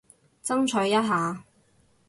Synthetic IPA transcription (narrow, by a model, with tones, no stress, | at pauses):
t͡sɐ˥ŋt͡ʃʰœ˨˥jjɐ˥t̚ɦaː˨˧